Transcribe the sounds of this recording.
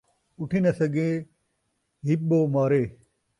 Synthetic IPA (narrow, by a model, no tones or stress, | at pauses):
uʈʰinɐsɐɡe | ɦiɓoːmaːɾeː